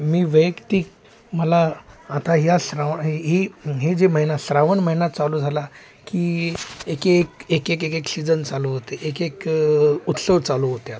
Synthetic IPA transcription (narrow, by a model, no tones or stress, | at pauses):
miːʋəjəkt̪iːk | məlaːt̪aɦjasɾaʋɦiɦiɦed͡ʑeməɦinasɾaʋənməɦinat̪t͡saluːd͡zʱala | kiːekekekek̬ekeksid͡zənt͡saloɦot̪eʔekekut̪səʋd̪̚t͡saluɦot̪jat̪